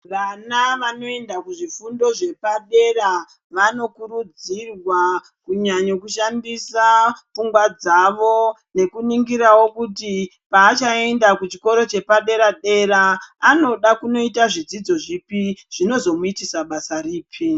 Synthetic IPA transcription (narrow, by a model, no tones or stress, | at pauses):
ʋanaʋano̞e̞ndakuʐifundo̞ʐe̞paɗe̞ra | ʋano̞kuɾud͡zirwa | kuɲaɲokuʃandisafuŋɡwad͡zaʋo̞ | ne̞kuniŋɡiɾawo̞kuti | paːt͡ʃae̞ndakut͡ʃiko̞ɾo̞t͡ʃe̞paɗe̞ɾaɗe̞ɾaːno̞ɗakuno̞itaʐid͡zid͡zo̞ʐipiʐ̥ino̞zo̞muitisaɓasariːpʰi